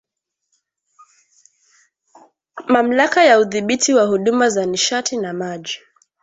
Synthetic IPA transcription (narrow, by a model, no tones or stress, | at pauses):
mam̩lakajauðiɓitʰiwahuɗumazaniʃatʰinamaʄi